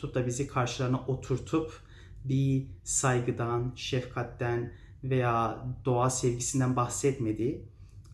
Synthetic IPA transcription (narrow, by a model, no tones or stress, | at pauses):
up̚d̪abizikʰaɾʃɯlˠaɾnaʔot̪ʰuɾt̪ʰup | bisajɡɯd̪anʃɛfkʰat̪ːæn | vejaːd̪̥o̞asɛvɟisind̪ænbaxsɛt̪med̪i